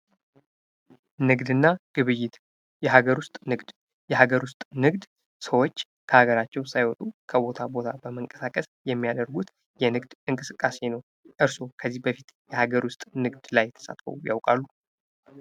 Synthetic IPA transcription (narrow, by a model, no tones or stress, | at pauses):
nɨɡd̪ɨnːaɡ̥ɨβɨjːɪt̪ | jɛɦaɡəɾwʊst̪ʼnɨɡd̪ | jɛɦaɡəɾwʊst̪ʼnɨɡd̪ | səwo̞t͡ʃː | kʰəhaɡəɾat͡ʃːɛwsajwɔt̪ʼukʰəbo̞t̪ʰabo̞t̪ʰabəməŋkʼə̥sakʼəsjɛmːiad̪əɾɡut̪ | jɛnɨɡd̪ʔɨŋkʼɨsɨkʼːase̞nəw | ʔɨɾso̞kʰəzːihbəfit̪jɛhaɡəɾwʊst̪ʼnɨɡd̪lajt̪ʰə̥sa̰t̪fə̰wja̰wkʼalːu